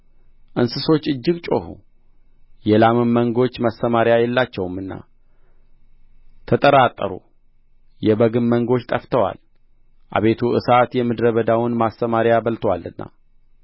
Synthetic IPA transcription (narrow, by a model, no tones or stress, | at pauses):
ʔɨnsɨso̞t͡ʃːɨd͡ʒːɨɡt͡ʃʼo̞̰hṵ | jɛlamɨmːəŋɡo̞t͡ʃːməsəmaɾjajɛlːat͡ʃːɛwmːɨnːa̰ | t̪ʰət̪ʼəɾat̪ʼːəɾṵ | jɛbəɡɨmməŋɡo̞t͡ʃt̪ʼəft̪ʰəwa̰l | ʔa̰βe̞t̪ʰuʔɨ̰sat̪jɛmɨd̪ɾəβəd̪awʊnmasːəmaɾjaβəlt̪ʰwalːɨnːa̰